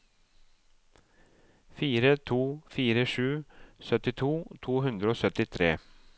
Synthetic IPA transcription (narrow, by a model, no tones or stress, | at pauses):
fiːɾət̪ʰuːfiːɾəʂʉːsœt̪ɪt̪ʰuːt̪ʰuːɦʉnd̪ɾəoːsœt̪ɪt̪ʰɾeː